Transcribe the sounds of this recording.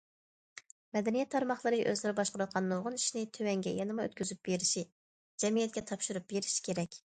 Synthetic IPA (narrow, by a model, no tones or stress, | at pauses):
mɛd̪ɛnijɛt̪ʰːɑɾmɑχlˠəɾɨʔøzlɪɾɪbɑʃqʊɾɑt̪̚qʰɑnːoʁʊniʃnɪt̪ʰøwɛŋɡʲɛ̰jɑnɨmɑø̰t̪̚kʲyzyp̚b̥eɾɪʃi | d͡ʒɛmijɛt̪̚kʲɛt̪ʰɑpʃuɾup̚beɾiʃi̥kʲʰeɾɛkʲ